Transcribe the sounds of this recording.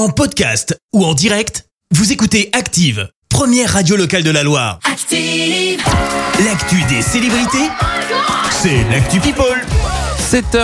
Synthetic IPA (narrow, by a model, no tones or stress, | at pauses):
ɑ̃pɔd̪ka̰st̪uɑ̃d̪iʁɛkt̪ | vuzekut̪eakt̪iv | pχəmjɛʁːad̪jolɔkald̪əlalwa̰ːʁkt̪i | lakt̪yd̪eselebʁit̪e | sɛlak̚t̪ypipɔlsɛt̪